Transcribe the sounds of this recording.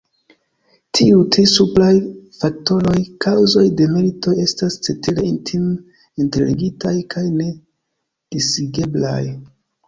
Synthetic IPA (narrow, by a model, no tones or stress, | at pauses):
tʰiutɾisuplajfak̚to̞ɾo̞jkʰawzo̞jde̞me̞ɾito̞e̞stast͡setileintʰim | intelḭɡitajkʰajne̞ | d̥isiɡe̞bla̰j